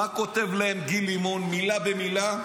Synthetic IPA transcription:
akot̪evlaemɡilimonmilabemila

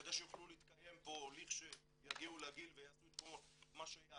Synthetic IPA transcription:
d̪aʃejoχluliiːt̪kajempo̞liχʃe | jaɡiulaɡilvejaːsuet̪̚kolmomaʃea

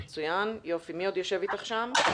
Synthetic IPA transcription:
t͡sujanjofimiod̪joʃe̞vit̪aχʃam

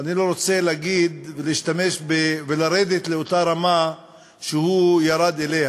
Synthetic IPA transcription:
anilo̞ɾot͡se̞laɡid̪veliiʃt̪ame̞ʃbevelaɾed̪et̪le̞ot̪aɾama | ʃehujaɾad̪e̞leh

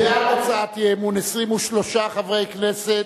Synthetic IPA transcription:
eatot͡saat̪jemunesʁimuʃlo̞ʃaχavʁe̞jknese

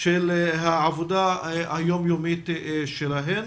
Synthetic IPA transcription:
ʃelɦaʕavod̪aajomjomit̪ʃelaɦen

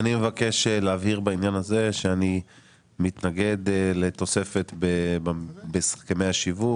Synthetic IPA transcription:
animevake̞ʃeleavhiʁbainjanaze̞ʃeani | mit̪naɡe̞d̪le̞t̪o̞se̞fe̞t̪be | besḁχkamejaʃivuk

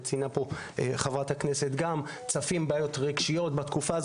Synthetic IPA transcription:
t͡sinapo̞ | χavʁathakne̞setɡam | t͡safimbaːjo̞tʁiɡʃijo̞tbatkufaːz

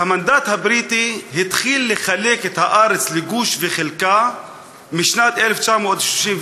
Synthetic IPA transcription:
hamand̪at̪habɾit̪ihit̪χilːeχaleket̪haʔaɾet͡sleɡuʃveχelka | miʃnat̪eleft͡ʃamod̪ʃluʃin

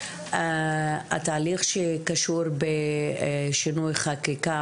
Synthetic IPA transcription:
a̰t̪aːliχʃekaʃuɾbe | ʃinujχakika

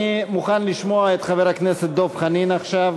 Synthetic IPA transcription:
imuχanliʃmoaet̪χave̞ʁhakneset̪̚d̪o̞fχaninaχʃav

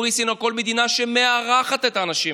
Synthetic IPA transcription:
ʁisinoko̞lme̞d̪inaʃemeaʁaχat̪et̪aːnaʃi

